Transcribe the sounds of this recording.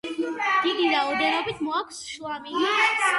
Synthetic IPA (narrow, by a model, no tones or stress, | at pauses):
d̪̥id̪iɾaɔd̪ɛnɔbit̪ʰmɔakʷʰsʃlˠamii